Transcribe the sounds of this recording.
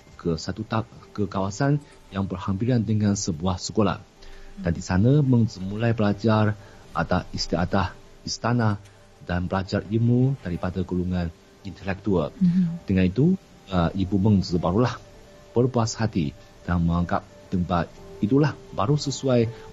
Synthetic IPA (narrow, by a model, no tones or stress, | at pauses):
kəsat̪ut̪akəkawasan | jaŋbərhampiɾandəŋansəbuahsəkola̰h | dandisanəməŋzəmulajpəlad͡ʒar | ʔa̰t̪asist̪ia̰t̪ah | ist̪anah | danpəlad͡ʒarimudaɾipadaɡuluŋãn | int̪əlɛk̚t̪uald̪əŋanit̪u | ʔibuməŋzəbaɾulah | b̥ərpuashat̪ḭ | d̥anməŋaŋka̰p̚t̪əmpat̪it̪ulahbaɾusəsuaj